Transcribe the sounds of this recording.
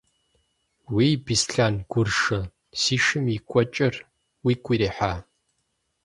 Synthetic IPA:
wiːbisɬaːnɡ̥ʷʊrʂɐ | siːʃɨmikʷʼɔt͡ʃʼɐr | wiːɡʷiɾeːħaː

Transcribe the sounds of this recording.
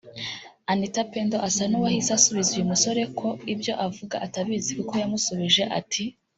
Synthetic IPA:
anditapendoʔasanuwahisasuβizijumuso̞ɾe̞kʰo̞ibjo̞ʔavuɡa̰ʔataβiziɾukojamusoβiʒe̞ʔa̰tʰi

